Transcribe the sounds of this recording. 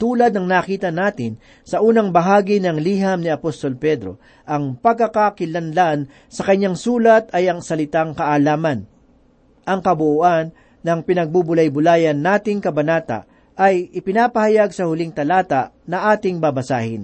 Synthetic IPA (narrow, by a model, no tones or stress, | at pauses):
t̪uːlɐd̪̚nɐŋnakiːt̪ɐnaːt̪ɪn | sɐʔuːnɐŋbɐɦaːɡinɐŋliːɦɐmnɪɐpost̪o̞lpɛd̪ɾo̰ | ʔɐŋpɐɡ̚kːɐkakɪlɐnlan | sɐkɐɲaŋsuːlɐt̪ɐjɐŋsɐlɪt̪aŋkɐʔalaːmɐn | ʔɐŋkɐbʊʔoʔanː | ɐŋpɪnɐɡ̚bubʊlɐjbʊlaːjɐnːaːt̪ɪŋkɐbɐnaːt̪ɐ̰ʔ | ʔɐjʔɪpɪnaːpɐhɐjaɡsɐhʊlɪŋt̪ɐlaːt̪aʔnɐʔaːt̪ɪŋbabɐsaːhɪn